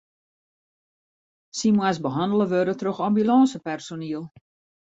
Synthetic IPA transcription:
simwasbəɦandələʋøɾətrøxambylɑːsəpɛrsoniəlˠ

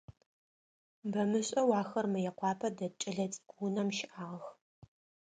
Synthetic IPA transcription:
bɐmɨɕʼɐwɑːxɐrmɨjɛqʷʰɑːpʰɐdɐt͡ʃʼɐɮɐt͡sʼɡʷunɐmʃɪʔaːʁɐx

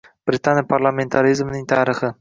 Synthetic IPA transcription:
b̥ɾʲɪt̪ʰanʲjapʰaɾlˠame̞nt̪ʰaɾɪzmnɪŋt̪ʰaːɾɪχɪ

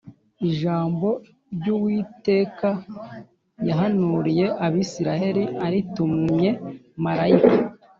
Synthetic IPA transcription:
iʒaːmbo̞ | ɾɟuwiːte̞ːka | jaɦanuɾije̞ʔaβisiɾahe̞ɾiaɾitumɲɲe̞maɾaika

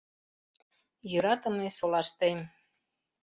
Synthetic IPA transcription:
jyɾɑt̪ə̆mesolɑʃt̪em

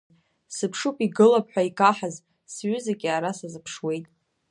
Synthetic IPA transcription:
sɨpʰʂupʼiɡɨlapʰʼħʷᶣaikʼaħaz | sɥʏzaɡʲiaɾasazɨpʰʂwe̞jtʼ

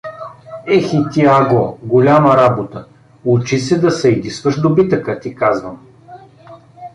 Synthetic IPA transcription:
ɛxit̪ʲiaɡɔɡolʲaməɾabot̪ə | ut͡ʃisɛd̪ɐsɛid̪isvəʃd̪obit̪əkət̪ikazvəm

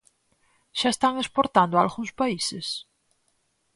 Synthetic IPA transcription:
ʃaest̪aŋespoɾt̪and̪oalɣuŋspaises

